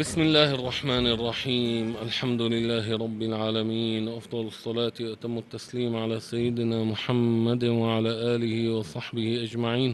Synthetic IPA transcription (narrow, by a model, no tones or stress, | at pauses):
bɪsmɪlːaːhʔɑrˤːɑħmaːnʔɑrˤːɑħiːmʔalħamd̪ʊlɪlːaːɦɪɾˤɑbːɪlʕaːlamiːnʔɑfd̪ˤɑlɑsˤːɑlɑːt̪wʔat̪amːʊt̪ːasliːmʕalaːsajːɪd̪ɪnamʊħamːad̪waʕalaːʔaːlɪhɪwɑsˤɑħbɪhɪʔad͡ʒmaʕiːn